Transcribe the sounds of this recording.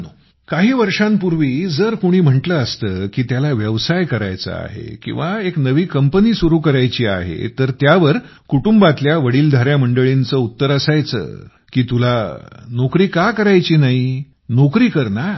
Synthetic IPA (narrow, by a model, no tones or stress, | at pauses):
nu | kaɦiːʋəɾʂãmpuɾʋiːd͡zəɾkuɽ̃iːm̤əɳʈləəst̪əkiːt̪jalaʋjəʋsajkəɾa̰jt͡sə̰a̰ɦḛkḭ̃w̃ʋaeknəʋiːkəmpəniːsuɾuːkəɾajt͡ɕiːa̰ɦḛt̪əɾt̪jaʋəɾ | kuʈumbat̪ljaʋəɽiːld̪ʱaɾjaməɳɖəɭint͡səut̪ːəɾəsajt͡sə̰ː | kiːt̪ulanokɾiːkakəɾajt͡ɕiːnaɦi | nokɾiːkəɾna